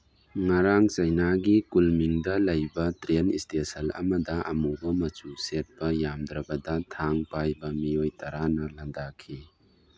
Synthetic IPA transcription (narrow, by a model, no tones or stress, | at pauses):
ŋɐɾaŋt͡ʃɐjnaɡikulmiŋdɐlɐjbɐtɾenistesɐlɐ̰mɐdɐʔɐ̰mubɐmɐt͡ʃuset̚pɐjamd̪ɾɐbɐdɐtʰaŋpajbɐmijojtɐɾanɐlɐndakʰi